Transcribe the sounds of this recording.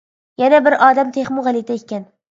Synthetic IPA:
janabɪɾʔɒd̪amt̪ʰeχmʊʁɑlˠid̪aekʲːan

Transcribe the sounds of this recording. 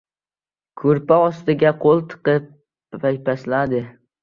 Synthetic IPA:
kʰɵɾpaɒst̪ɪɡʲaqʰolˠt̪ʰɨ̥qɨp̚ | ajpʰaslad̪ɪ

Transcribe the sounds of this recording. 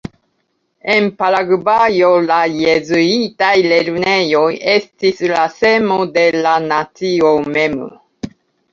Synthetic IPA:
e̞npalaɡbajo̞lajezuitajle̞ɾne̞jo̞je̞stislase̞mode̞lanat͡siome̞m

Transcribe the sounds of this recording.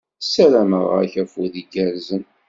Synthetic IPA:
sælæməʁæçæfuðiɡæɾzən

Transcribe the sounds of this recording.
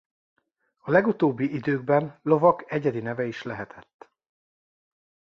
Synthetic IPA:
ɒlɛɡut̪oːbːiʔid̪øːɡ̚bɛnlo̞vɒkɛɟɛd̪inɛvɛiʃlɛɦɛt̪ʰɛt̪ː

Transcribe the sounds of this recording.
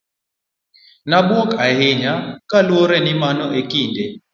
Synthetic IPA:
nabwɔkahɪɲakalwoɾɛnɪmanɔekinde

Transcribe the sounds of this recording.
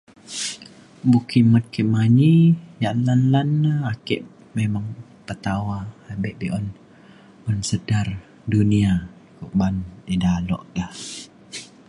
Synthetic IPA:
bukimət̪̚kiʔmaɲijaʔlanlanːaakɛ̰ʔ | memaŋ | pət̪awaabɛʔbiʔɔn | ɔnsədar | duniakuʔbandidalɔ̰ʔkah

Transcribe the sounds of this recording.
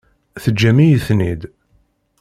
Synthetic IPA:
θəd͡ʒːæmijəθnid̪

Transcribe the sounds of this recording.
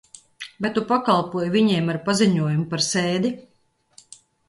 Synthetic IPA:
vajt̪upakalˠpuɔjvʲiɲeɛmaɾpaziɲuɔjumpaɾsɛːd̪i

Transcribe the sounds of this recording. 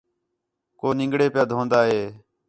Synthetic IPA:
koːnɪ̃ŋɡɽeːpɪjaːd̪ʱõːnd̪aːɦeː

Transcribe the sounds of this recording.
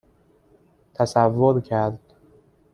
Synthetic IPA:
t̪ʰæsævːoɾcʰæɾd̪̥

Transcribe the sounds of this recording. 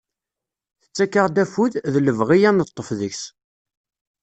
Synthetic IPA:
θə̥t͡sːækːəʁd̪æfuððləvʁijænət̪ˤːəfðəçs

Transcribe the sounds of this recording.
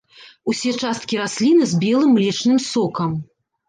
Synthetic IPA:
usʲɛt͡ʂast̪kʲiɾasʲlʲinɨzʲbʲɛlˠɨmlʲɛt͡ʂnɨmsɔkɐm

